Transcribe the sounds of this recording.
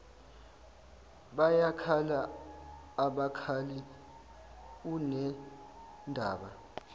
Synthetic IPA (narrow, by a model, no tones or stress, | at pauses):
ɓajakʰalaː | ɓakʰali | unɛ | ndʱaːɓa